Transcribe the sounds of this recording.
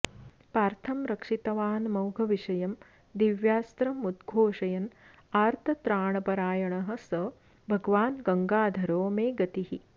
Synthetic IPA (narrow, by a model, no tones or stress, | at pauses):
paːɾt̪ʰɐmɾɐkʂit̪ɐʋaːnmɐwɡʱɐʋiʂɐjɐm | d̪iʋjaːst̪ɾɐmud̪ɡʱoːʂɐjɐn | aːɾt̪ʰɐt̪ɾaːɳɐpɐɾaːjɐɳɐɦɐ̆sɐ | bʱɐɡʋaːnɡɐŋɡaːd̪ʱɐɾoːmeːɡɐt̪iɦi